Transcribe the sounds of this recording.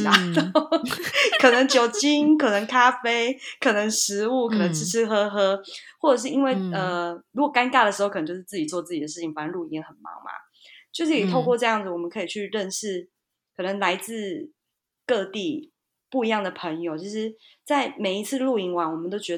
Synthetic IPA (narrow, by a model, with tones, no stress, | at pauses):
a˧˦t̪o˨kʰɤ˨˩nə˧˦ŋt͡ɕjo˨˩ʊt͡ɕi˦˥nkʰə˨˩nə˧˦ŋkʰa˥fe˥ɪkʰɤ˨˩nə˧˦ŋʂɻ̩˧˥u˥˩kʰɤ˨˩nə˧˦ŋʈ͡ʂʰɻ̩˧˥ʈ͡ʂ̩ʰ˥xɤ˦˥xɤ˧˥xwɔ˥˩ʈ͡ʂɤ˨˩ʂ̬ɻ̩˥˩i˦nwe˥˩ɪə˧˩ɻu˧˥kɔ˨˩ka˥nka˥˩ɾə˩ʂɻ̩˧˥o˥˧k̪ʰjo˥˧ʊ˥ʂ̬̩˥t͡s̩˥˩t͡ɕi˨˩t͡swɔ˥˧t͡sɹ̩˥˩t͡ɕi˨d̪ə˩ʂɻ̩˩t͡ɕʰi˨˩ŋfa˨˩ə˥˧nlu˥˧i˧˥ŋə˧xə˨˩nmɑ̰˧˥ŋma̰˨ | t͡ɕjo˥˧ʂɻ̩˥˩e˨˩t̪ʰo˥˧kwɔ˥˧ʈ͡ʂɤ˥˧jɑ˥˩ŋd͡z̩˨˩wɔ˨˩mə˦nkʰɤ˧˥i˨˩t͡ɕʰy˥˧ɻə˥˧nʂɻ̩˥˩ | kʰɤ˨˩nə˧˦ŋla˧˥ɪt͡sɹ̩˥˧ | kɤ˥˧t̪i˥˧ | pu˥˩i˧˥jɑ˥˩ŋd̪ə˩pʰə˧˥ŋjo˨ʊt͡ɕʰi˧˥ʂ̬ɻ̩˧˦ | t͡sa˥˩ɪme˨˩ɪi˧˥t͡s̩ʰ˥˧lu˥˩i˧˥ŋwa˧˥nwɔ˨˩mə˦nt̪o˥ʊt͡ɕɥɛ˧˥